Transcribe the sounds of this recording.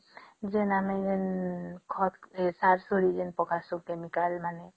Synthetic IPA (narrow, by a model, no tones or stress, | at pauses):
d͡ʒenamed͡ʒenkʰɔt̪saɾsuɾid͡ʒenpɔkasukemikalmane